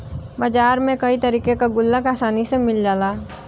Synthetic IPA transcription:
baːd͡ʒaːɾmẽkɐit̪ɐɾiːkekaɡʊlːəkaːsaːnisemɪld͡ʒaːlaː

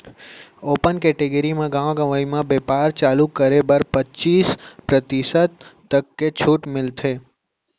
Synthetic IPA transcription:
oːpənkɛːʈeɡəɾimãɡãːʋɡə̃ʋəimãbeːpaːɾt͡ʃaːlukəɾebəɾpət͡ʃiːspɾət̪ɪsət̪t̪ːəkːet͡ʃʰuːʈmɪlt̪ʰeː

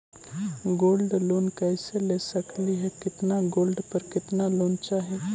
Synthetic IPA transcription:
ɡoːlɖloːnkɛːseleːsɐkliɦɛkɪt̪naɡoːlɖpɐɾkɪt̪naloːnt͡ʃaːɦeː

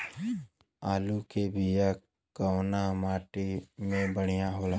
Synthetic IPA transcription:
aːlukebʱija | kəwnamaːʈimẽbəɽ̤̃ijaɦoːla

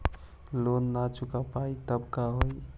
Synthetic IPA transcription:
lonːat͡ʃukapait̪əbkaɦoj

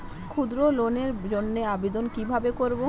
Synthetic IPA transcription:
kʰud̪ɾoloneɾd͡ʑonːeabed̪onkibʱabekoɾbo

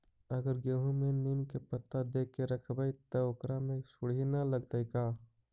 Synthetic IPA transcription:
ɐɡəɾɡeːɦũmẽniːmkepət̪ːad̪eːkːeɾɐkʰbait̪ookɾamẽsʊɽ̤inalɐɡt̪aikaː

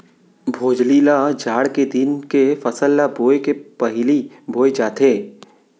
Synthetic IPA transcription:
bʱoːd͡ʒliːlad͡ʒaːɽked̪ɪnkefɐsəlːaboːekepɐɦli | bʱoːed͡ʒaːt̪eː

